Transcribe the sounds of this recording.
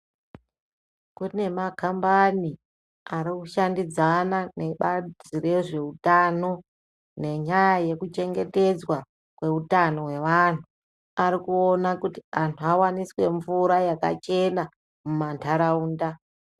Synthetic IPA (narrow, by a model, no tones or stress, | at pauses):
kune̞makambani | aɾikuʃandid͡zanane̞ɓad͡ziɾe̞ʐe̞utano̞ | ne̞ɲajaje̞kut͡ʃe̞ŋɡe̞te̞d͡zwa | kwe̞utano̞we̞ʋan̤u | aɾikuonakutiantʰuawaniswe̞ɱvuɾajaka̰t͡ʃe̞na | mumantʰaɾauːnda